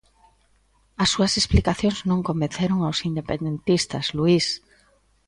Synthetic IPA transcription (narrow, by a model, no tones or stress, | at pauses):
ɐsːuɐsesplikaθjoŋznõŋkombẽn̟θeɾoŋawsind̪epend̪ent̪ist̪ɐ̰zluis